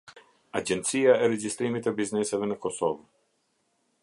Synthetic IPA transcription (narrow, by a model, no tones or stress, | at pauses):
a̰d͡ʒɛnt̪sijaɛɾɛd͡ʑist̪ɾimit̪ɛbiznɛsɛvɛnəkɔsɔv